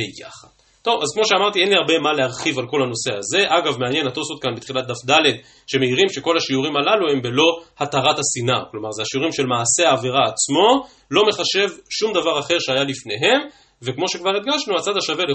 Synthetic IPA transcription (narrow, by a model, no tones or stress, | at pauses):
eja̰χad̥ | t̪o̞vazkmo̞ʃeamaʁt̪ie̞nliaʁbe̞male̞aʁχivalko̞lhano̞se̞aze̞ʔaɡavmeanje̞nhat̪osot̪̚kanbit̪χilat̚d̪afd̪ale̞d̪ | ʃe̞meiʁimʃe̞ko̞lhaʃiuʁimalalue̞mbe̞lo̞hat̪aʁathasinaklo̞maʁzeaʃiuʁimʃe̞lmaːse̞aːviʁaːt͡smo̞ | lo̞me̞χaʃe̞vʃumd̪avaʁaχe̞ʁʃeajalifne̞ɦe̞m | ve̞kmo̞ʃe̞kvaʁet̪̚ɡaʃnuat͡sad̪haʃave̞le